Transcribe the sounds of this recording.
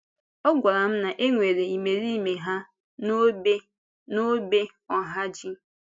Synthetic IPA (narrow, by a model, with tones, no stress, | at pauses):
ɔ˦ɡʷa˨ɾa˨m̩˦na˨ʔe˦ŋʷe˨ɾe˨i˨me˨ɾi˦me˨ɦa˦ | no˦e˦ | no˦be˦ | ɔ˨ɦa˦d͡ʒi˦